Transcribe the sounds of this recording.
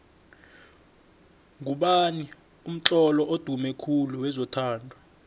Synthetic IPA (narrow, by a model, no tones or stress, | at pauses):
ŋʱuɓani | um̩ǁɔlɔʔod̥ʱumɛkʰuluwɛzɔtʰaːndʱɔ